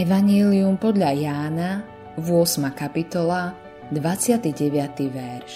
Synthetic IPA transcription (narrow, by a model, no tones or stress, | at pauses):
ɛʋaɲɛliumpɔd̪ʎajaːna | vʊɔsmakapit̪ɔla | d̪ʋat͡sɪat̪iɟɛʋɪat̪iʋɛɾʃ